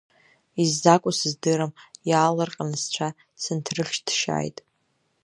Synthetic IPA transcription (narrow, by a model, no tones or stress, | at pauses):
izːakʷʼʊsɨzdɨɾamjaːlɨrqʼanɨst͡ɕʷʰa | t͡sʰɨntʰrɨχʲʃd̥ʃa̰ːjtʼ